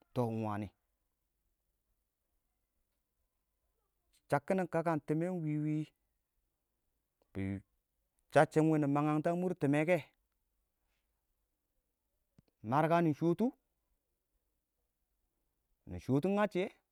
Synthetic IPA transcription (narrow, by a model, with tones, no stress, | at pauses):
to˨wa˨ni˨ | t͡ʃa˨kːi˦ni˨ŋka˦ka˦˨nti˨me˦n˦wi˨wi˦ | b̥ḭ˨ | t͡ʃa˦t͡ʃːe˦ŋwe˦ni˨ma˨ŋa˦ŋta˦mu˦ɾti˨me˦ke˦˨ | ma˨ɾka˦ni˨ʃo˦tu˦ | nḭ˨ʃo˨˦tu˦ŋa˦t͡ʃe˦